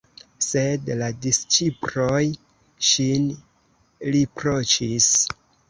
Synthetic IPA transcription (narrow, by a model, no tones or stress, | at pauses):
se̞dladist͡ʃipɾoj | ʃin | lipɾot͡ʃis